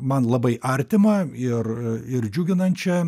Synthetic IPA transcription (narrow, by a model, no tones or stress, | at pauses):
mɐnlˠɐbɐɪʔɐɾʲt̪ʲɪmɐɪrɪrd͡ʒʲʊɡʲɪnɐnt̪t͡ʃʲɛ